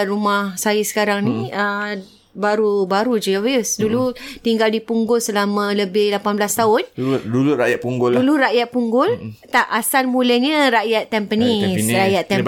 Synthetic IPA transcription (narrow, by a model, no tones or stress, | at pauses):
rumahsajisə̥kaɾaŋniə | baɾubaɾud͡ʒiavəsdulut̪iŋɡaldipuŋɡʊlsəlamãləbɪhlapanblast̪aʊnduluɾajaʔ̚puŋɡʊlduluɾaʔjat̪̚puŋɡʊlt̪aʔasalmuləɲə̃ɾajat̪ːɛmpənisɾajat̪ːɛ